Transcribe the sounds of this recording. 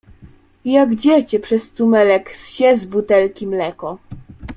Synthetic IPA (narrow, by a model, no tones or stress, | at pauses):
jaɡd͡ʑɛt͡ɕɛpʂɛst̪sumɛlɛksɕɛzbut̪ɛlkʲimlɛkɔ